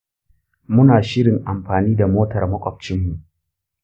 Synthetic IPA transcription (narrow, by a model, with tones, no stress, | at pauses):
mʊ˦naː˨ʃɪ˦ɽɪ˨ŋʔa˨mɸaː˨niː˦da˨moː˦tɐ˨rmɐ˦kʷʼɔ˨p̚t͡ʃɪ˦mːu˨ʔ